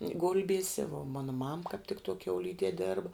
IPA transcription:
ˈɡʊlʲbʲiɛsʲɛ ʋuɔ ˈmɑːnɐ mɐm kɑːp tʲɪk tuɔ kʲɛʊˈlʲiːdʲiɛ ˈdʲeːrbɐ

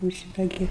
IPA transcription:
juːʊ ˈʃʲɪtɐ ˈɡʲɪ

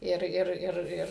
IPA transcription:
ˈɪr ˈɪr ˈɪr ˈɪr

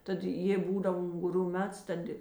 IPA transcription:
ˈtɐt ˈjeːɪ ˈbuːdɐw ʊŋɡʊˈrʲuː ˈmʲɛts ˈtɐt ɪ

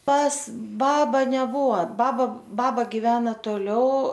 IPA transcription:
pɐs ˈbɑːbɐ nʲɛˈbuɔ ˈbɑːbɐ ˈbɑːbɐ ɡʲɪˈʋʲæːnɐ toːˈlʲɛʊ

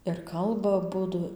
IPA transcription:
ɪr ˈkɐlˠbɐ ɐˈbʊdʊ

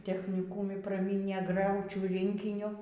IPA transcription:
tʲɛxʲnʲɪˈkuːmʲɪ prɐˈmʲiːnʲeː ˈɡrɐʊt͡ʃʲuː ˈrʲɪŋʲkʲɪnʲʊ

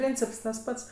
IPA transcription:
ˈpʲrʲiːnʲt͡sʲɪps tɐs ˈpɐts

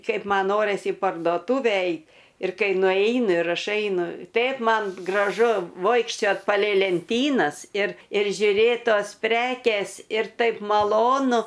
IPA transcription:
ˈkɐɪp ˈmɐn ˈnoːrʲɪs iː pɐrdoːˈtuːʋʲɛ ˈɛɪt ɪr ˈkɐɪ nʊˈɛɪnʊ ɪr ˈɐʃ ˈɛɪnʊ ˈtʲɛɪp ˈmɐn ɡrɐˈʒʊ ˈʋoːɪkʃʲt͡ʃʲoːt pɐlʲɛɪ lʲɛnʲˈtʲiːnɐs ɪr ɪr ʒʲʊˈrʲeːt ˈtoːs ˈpʲrʲæːkʲeːs ɪr ˈtɐɪp mɐˈlˠoːnʊ

